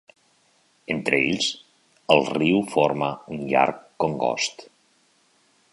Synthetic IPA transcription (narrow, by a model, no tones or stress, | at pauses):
ent̪ɾəeʎz | əlˠriwfoɾməunʎa̰ɾkːoŋɡɔ̰st̪